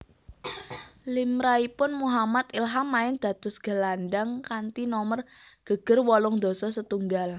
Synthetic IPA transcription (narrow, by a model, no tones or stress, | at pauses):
limɾaipʊnmuɦamat̪ilɦamːaɪnd̪̥ä̤t̪ʊsɡ̥ə̤lanɖaŋkant̪inɔmər | ɡ̥əɡ̥ərwɔlɔŋd̪o̤sɔsət̪uŋɡal